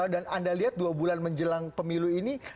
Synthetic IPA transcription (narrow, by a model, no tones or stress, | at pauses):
danandaliɦat̪̚duabulanməɲd͡ʒəlaŋpəmiluini